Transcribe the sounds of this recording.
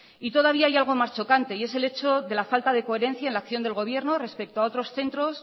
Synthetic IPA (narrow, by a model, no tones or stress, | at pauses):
it̪o̞ð̞aβ̞iaajalɣ̞o̞mast͡ʃo̞kant̪e̞ie̞se̞le̞t͡ʃo̞ðe̞lafalt̪aðe̞ko̞eɾe̞n̟θjaenlakθjo̞nd̪e̞lɣo̞β̞je̞ɾnore̞spe̞k̚t̪oao̞t̪ɾo̞sθe̞nt̪ɾo̞s